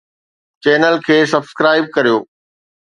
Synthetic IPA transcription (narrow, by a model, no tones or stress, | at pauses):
t͡ɕɛːnəlkʰeːsɐbskɾaːɪb̚kɐɾijoː